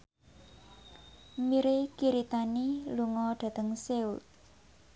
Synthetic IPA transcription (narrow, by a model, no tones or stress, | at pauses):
miɾekiɾit̪aniluŋɔɖ̪̥ä̤t̪əŋseut̪̚